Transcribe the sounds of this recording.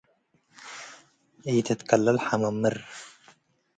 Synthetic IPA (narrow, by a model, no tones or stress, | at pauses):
ʔɨjt̪ʰɐt̪kʰɐlːɐlħamɐmːɨɾ